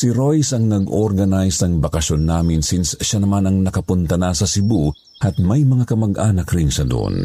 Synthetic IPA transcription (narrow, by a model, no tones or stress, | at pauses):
sɪɾojsɐŋnɐɡʔoɾɡɐnajsɐŋbɐkɐʃonːaːmɪnsinsʃanɐmanɐŋnɐkɐpʊnt̪ɐnasɐsɪbu | ʔɐt̪̚mɐjmɐŋakɐmɐɡʔaːnɐkɾɪŋsɐd̪o̰ʔo̰n